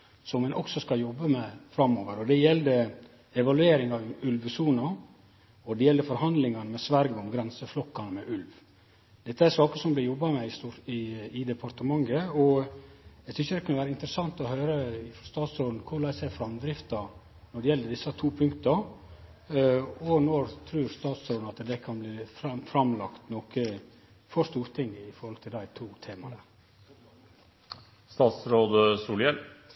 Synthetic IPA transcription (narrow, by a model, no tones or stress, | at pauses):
sɔmmɛnʔɔksɔskɑjɔbːəmɛfɾɑmːoːʋəɾɔd̪ɛjɛld̪ə | ɛʋɑlʉeːɾɪŋɑʋʉlʋsuːnɑ | ɔd̪ɛjɛlːəfɔɾhɑnd̪lɪŋɑnəmɛsʋæɾɡɔmɡɾɛnsəflɔkːɑnəmɛʔʉlʋ | d̪̥ɛt̪ːəæʂɑːkəsɔmblɪjɔbːɑmɛɪɪɪd̪ɛpʰɑɾt̪əmɑŋːəɔ | ɛɡsʰʏnçəd̪ɛkʰnəʋæːɾəɪnt̪ɾəsɑŋt̪ɔɦøːɾəɪfɔst̪ɑːt̪sɔd̪n̩kʰʊɾɭæɪsæfɾɑmd̪ɾɪft̪ɑ | nɔɖɛjɛlːəɖ̪ɪsɑt̪ʰuːpʰʉŋkt̪ɑ | ɔnɔɾt̪ʰɾʉːɾst̪ɑːt̪sɔːd̪n̩ɑt̪d̪ɛkʰɑnbliːfɾɑmfɾɑmlɑkt̪nɔkə | fɔɾst̪uːɾt̪ʰɪŋːɪfɔɾhɔlt̪ʰɪld̪æɪt̪ʰuːt̪ʰeːmɑnə | st̪ɑːt̪sɾoːd̪əsuːljɛl